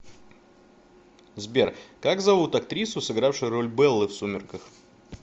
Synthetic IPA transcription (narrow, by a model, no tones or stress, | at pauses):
zbʲerkaɡzɐvut̪ɐkt̪ɾʲisʊsɨɡɾafʂɨjʊro̞lʲbɛlˠːɨfsumʲɪrkəx